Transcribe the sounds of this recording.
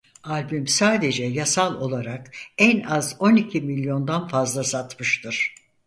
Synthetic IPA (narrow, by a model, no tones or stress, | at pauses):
alʲbymsaːd̪e̞d͡ʒɛjasalˠo̞lˠaɾakænazo̞nicʰimilʲjo̞nd̪anfazlˠasat̪mɯʃt̪ʰɯɾ̥